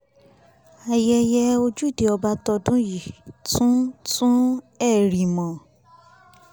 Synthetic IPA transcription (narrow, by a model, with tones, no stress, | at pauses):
a˨jɛ˧jɛ˧o˧d͡ʒu˦˨de˨˦ɔ˧ba˦tɔ˧dũ˦ji˨tʰũ˦tʰũ˦ | ɛ˦˨ɾi˨mɔ̃˨